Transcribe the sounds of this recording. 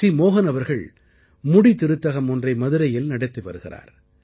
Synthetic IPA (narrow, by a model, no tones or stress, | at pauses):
imoːɣɐnɐʋɐɾɣɐɭ | mʊɽit̪ːɪɾɯt̪ːɐɣɐmɔndrɐɪmɐðɯɾɐjɪlnɐɽɐt̪ːɪʋɐ̰ɾɯɣɪ̰ra̰ːɾ